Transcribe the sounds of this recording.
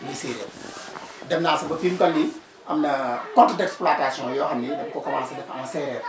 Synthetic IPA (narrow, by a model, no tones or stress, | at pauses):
miseːɾɐ̰ | dɛmnaːsɐbɐfiːmkɐlːi | ʔɐmnɐkɔntdɛksplaːtaːsiɔ̃ːjɔɐmnidɛb̚kɔkɐwa̰ːnsɐdɛfɐmɐsɛːɾ